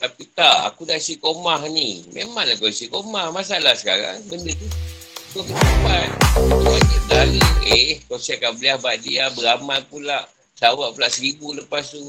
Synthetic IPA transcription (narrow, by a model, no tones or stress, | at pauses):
t̪apit̪aʔa̰kudaʔsikomahnimemaŋlakosikomahmasalahsə̥kaɾa̰ŋbəndət̪ukokət̪apat̪̚uɲad͡ʒit̪aləekosɛkaʔbəliahbaʔdiabəɾamat̪̚pulaʔ | sawaʔpulaʔsəɾibuləpast̪u